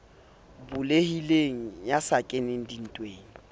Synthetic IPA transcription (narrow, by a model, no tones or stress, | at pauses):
bʊlehileŋ̩jasakʼenɪŋ̩din̩tʼweːŋ̩